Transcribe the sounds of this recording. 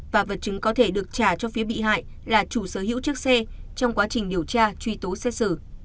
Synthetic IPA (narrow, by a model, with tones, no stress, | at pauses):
vaː˨˩və˨˩t̚t͡ɕɨ˨˦ŋkɔ˨˦t̪ʰe˧˩ɗɨ˨˩ək̚t͡ɕaː˧˩t͡ɕɔ˧fi˨˦əɓḭ˧˨ɦa̰ː˧˨j | laː˨˩t͡ɕu˧˩səː˧˩hḭ˧˥wt͡ɕɨ˦˥ək̚sɛ˧t͡ɕɔ˧wŋ͡mkwaː˨˦t͡ɕï˨˩ŋ̟ɗi˨˩əwt͡ɕaː˧t͡ɕwi˧t̪o˨˦sɛ˧sɨ˧˩